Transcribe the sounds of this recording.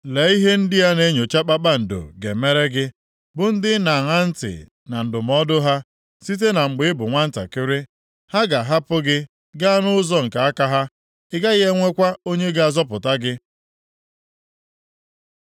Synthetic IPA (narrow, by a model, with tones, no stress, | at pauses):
le˨i˦ɦe˦n̩˦dɪ˦ja˦ne˦ɲo˨t͡ʃa˦k͡pa˦k͡pa˦n̩˨do̰˨ɡḛ˨me˦ɾe˦ɡɪ˦ | bʊ˨n̩˦dɪ˦na˨ŋa˦n̩˦tɪ̰˨ | na˨n̩˨dʊ˨m˦ɔ˦dʊ˦ɦa˦ | si˦t̬e˦na˨ŋ͡m̩˨ɡ͡bɪ˦ɪ˦bʊ˨ŋʷa˦n̩˦ta̰˨kɪ˦ɾɪ˦ | ha˦ɡa˨ɦa˦pʊ˦ɡɪ˦ | ɡa˦a˦nʊ˦ʊ˦zɔ˦ŋ̩˨ka˨a˦ka˦ɦa˦ | ɪ˦ɡa˦ɣe˦ŋʷe˦kʷa˦o˦ɲe˦ɡa˦a˨zɔ˦pʊ˨ta˦ɡɪ˦